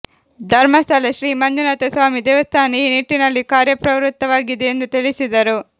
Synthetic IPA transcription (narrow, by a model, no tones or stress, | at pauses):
d̪ʱɐɾmɐst̪ʰɐleʃɾiːmɐnd͡ʒunat̪esʋaːmid̪ɛːʋɐst̪ʰaːniiːniʈːinɐlːikaːɾjɐpɾɐʋɾut̪ːɐʋaːɡid̪eend̪ut̪iɭisid̪ɐɾu